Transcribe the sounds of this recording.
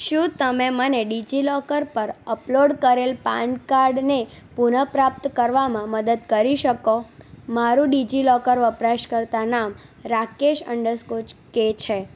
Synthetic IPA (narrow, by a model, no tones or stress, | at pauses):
ʃũt̪əmeməneɖid͡ʒilɔkəɾpəɾəploɖkəɾelpãɳɖkaɾɖne | punəpɾap̚t̪kəɾʋamãməd̪əd̪kəɾiʃəkomaɾũɖid͡ʒilɔkəɾʋəpɾaʃkəɾt̪anam | ɾakeʃə̰ɳɖəɾskot͡ʃket͡ʃʰe